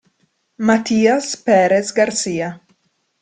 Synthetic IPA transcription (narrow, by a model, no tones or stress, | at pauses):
mat̪iːaspeɾesɡaɾsiːa